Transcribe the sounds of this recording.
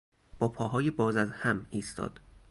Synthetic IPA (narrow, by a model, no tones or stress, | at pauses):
b̥ɒːpʰɒːɦɒːjebɒːzæzhæmiːst̪ʰɒ̰ːd̪̥